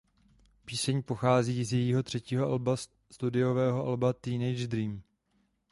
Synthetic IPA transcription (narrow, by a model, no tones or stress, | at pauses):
piːsɛɲpo̞xaːziːzjɛjiːɦo̞t̪r̝̥ɛciːɦo̞ʔa̰lba | st̪udɪo̞vɛːɦo̞ʔa̰lbat̪iːnɛjd͡ʒd̪ɾiːm